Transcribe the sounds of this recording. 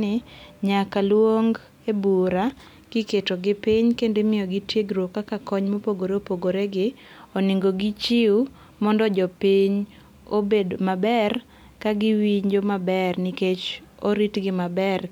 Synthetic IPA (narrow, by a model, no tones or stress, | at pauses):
ɪɲakalwoŋɡ | ebuɾa | ɡ̥ɪketoɡɪpiɲkendemɪjɔɡitjeɡɾokakakɔɲmopoɡoɾeopoɡoɾeɡɪ | ɔnɪŋɡoɡit͡ʃiu | mɔndɔd͡ʒɔpiɲ | obedomabɛr | kaɡɪwiɲd͡ʒomabɛrniket͡ʃ | oɾitɡɪmabɛr